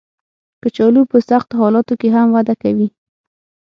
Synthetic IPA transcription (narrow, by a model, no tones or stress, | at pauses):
kət͡ʃɑlupəsaxt̪oɦɑlɑt̪okeɦamwad̪akawi